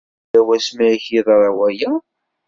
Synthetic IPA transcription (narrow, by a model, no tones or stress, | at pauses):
æwæsmæçiðˤɾˤɑwæjæ